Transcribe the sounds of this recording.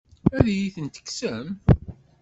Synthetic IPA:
æðæjiθənt̪ə̥ksəm

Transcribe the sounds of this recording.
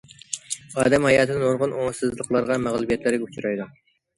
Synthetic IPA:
ɑːd̪ɛmhɑjɑːt̪ʰɨnɨnoɾʁʊnʔoŋsɨzlˠəqlˠɑɾʁɑmæʁlˠɨbiɛt̪lɪɾɪɡʲɛut͡ʃʰuɾɑjd̪u

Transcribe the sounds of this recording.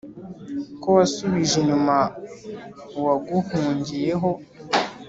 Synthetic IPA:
kowasuβiʒeɲuma | waɡuhuːɲɟije̞ɦo̞

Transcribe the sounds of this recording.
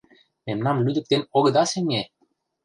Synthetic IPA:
memnɑmlyd̪ə̆k̚t̪enoɣɤ̆d̪ɑsenʲe

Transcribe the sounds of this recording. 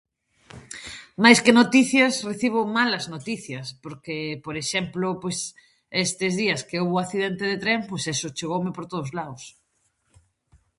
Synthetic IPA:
majskenot̪iθjɐsreθiβ̞omalɐznot̪iθjɐspoɾkepoɾeʃɛmplʊpojs | est̪ɪzðiɐskeoβoaθiðent̪eðet̪ɾempojsesʊt͡ʃeɣowmɪpoɾt̪oðozlaʊs

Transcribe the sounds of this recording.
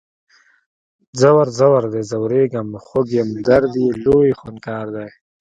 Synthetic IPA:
zawaɾzawaɾd̪ezawɾeːɡamxoɡjemd̪aɾd̪iloːjixunkaːɾd̪aj

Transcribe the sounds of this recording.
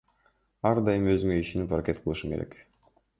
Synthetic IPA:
ɑɾd̪ɑjɯmø̞zyŋøiʃenipaɾakʲe̞t̪̚qʰɯlˠɯʃɯkeɾe̞̰k

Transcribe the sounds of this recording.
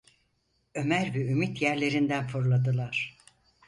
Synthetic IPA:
ø̞mæɾvɛymit̪jæɾlʲe̞ɾind̪ænfoɾlˠad̪ɯlˠaɾ̥

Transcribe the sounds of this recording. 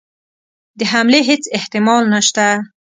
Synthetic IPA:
d̪əɦamleɦet͡sɪht̪ɪmɑlnaʃt̪a

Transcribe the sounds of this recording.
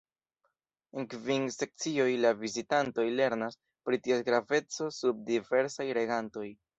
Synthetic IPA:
enkvinse̞k̚t͡sio̞jlavizitanto̞jle̞ɾnas | pɾitiasɡɾave̞t͡so̞sub̚dive̞ɾsajɾe̞ɡanto̞j

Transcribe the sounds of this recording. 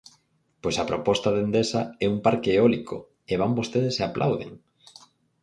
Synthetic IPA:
pojsɐpɾopɔst̪ɐðend̪esaɛumpaɾkeːɔliko̰ | eβ̞ambost̪eðeseaplʔa̰wðḛŋ

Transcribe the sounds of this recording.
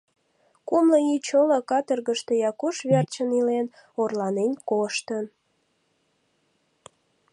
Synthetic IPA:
kumləit͡ɕoləkɑt̪ərɣəʃt̪e̽jɑkuʃβert͡ɕənilen | orlɑnenkoʃt̪ən

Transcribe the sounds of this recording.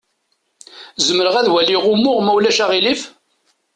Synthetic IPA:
zəməɾəʁæðwælːiʁumʊʁmæwlæʃæʁilif

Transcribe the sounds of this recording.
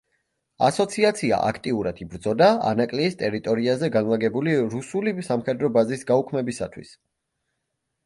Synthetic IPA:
asɔt̪sʰiat̪sʰia̰ʔa̰kʰt̪ʼiuɾad̪̥ibɾd̪zɔd̪aa̰nakʼliːst̪ʼɛɾit̪ʼɔɾiazɛɡanlˠaɡɛbuliɾusulisamχɛd̪ɾɔbazisɡaukʰmɛbisa̰t̪ʰwḭs

